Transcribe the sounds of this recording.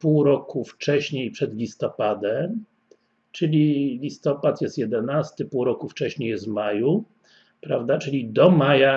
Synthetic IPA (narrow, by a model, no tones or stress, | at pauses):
puwɾɔkuft͡ʂɛɕɲejpʂɛd̪lʲist̪ɔpad̪ɛm | t͡ʂɘlʲilʲist̪ɔpat̪jɛst̪jɛd̪ɛnast̪ɘpuwɾɔkuft͡ʂɛɕɲejɛst̪maju | pɾavd̪at͡ʂɘlʲid̪ɔmaja